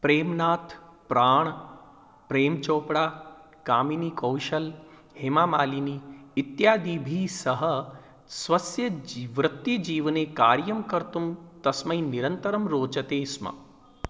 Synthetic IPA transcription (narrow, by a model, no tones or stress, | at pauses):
pɾeːmnaːt̪ʰpɾaːɳ̃ | pɾeːmt͡ʃoːpɽaː | kaːminikɐwʃɐl | hemaːmaːliniːt̪jaːd̪iːbʱiːsɐɦɐ | sʋɐsjɐʋɾɐt̪jɐd͡ʒiːʋneːkaːɾjɐmkɐɾt̪umt̪ɐsmɐiniɾɐnt̪ɐɾɐmɾoːt͡ʃɐt̪eːsmɐ̰